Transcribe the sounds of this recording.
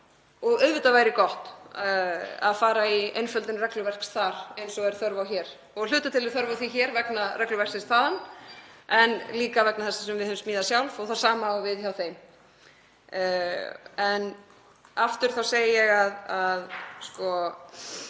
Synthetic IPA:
ɔɣœvɪt̪avaːjɾɪkɔht̪ | a̰ðfaːɾaiḛjnfœlt̪ɪnrɛklʏvɛr̥ksθaɾ̥ejnsɔɛɾ̥θœɾvawçɛːɾ̥ | ɔɣl̥ʏːt̪at̪ʰɪlvɪðθœɾvawθiçɛɾvɛknarɛklʏvɛr̥ksɪst̪θaːðan | ɛnliːkavɛknaθɛsasɛmvɪðhœðmsmiːðasjawlvɔɣθḁsaːmaːwvɪðçawθejm | ɛn | aft̪ʏɾ̥θawseːjɪjɛɣaðaðskɔ

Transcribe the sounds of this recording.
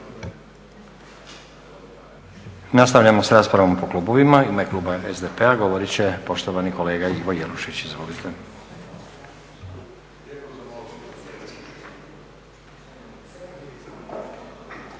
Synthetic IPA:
nast̪aʋʎamo̞sɾaːspɾaʋo̞mpo̞klˠuːboʋimaimeklˠuːbaezd̪epeaɡo̞ʋo̞ɾit͡ɕe̞po̞ʃt̪oʋanikole̞ːɡaiʋo̞jeluʃit͡ɕizʋo̞lit̪ʰe

